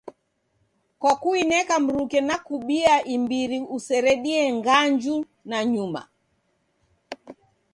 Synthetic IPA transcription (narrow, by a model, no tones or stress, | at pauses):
kakuinɛkam̩ɾukɛnakuɓiaʔimbiɾiusɛɾɛɗiɛŋɡaɲd͡ʒu | naɲuma̰